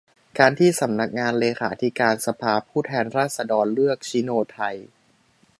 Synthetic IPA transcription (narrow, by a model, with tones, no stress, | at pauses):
kaː˧nt̪ʰiː˥˩sa˩˦mna˦˥k̚ŋaː˧nleː˧kʰa̰ː˩˦t̪ʰi˦˥kaː˧nsa˧pʰaː˧pʰuː˥˩t̪ʰɛː˧nɾaː˥˩t̪̚sa˧dɔː˧nlɯ˥˩ək̚t͡ɕʰi˦˥noː˧t̪ʰa˧j